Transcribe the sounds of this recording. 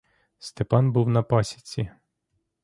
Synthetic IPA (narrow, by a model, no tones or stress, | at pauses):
st̪epɑnbuwnɐpɑsʲɐ̥t͡sʲi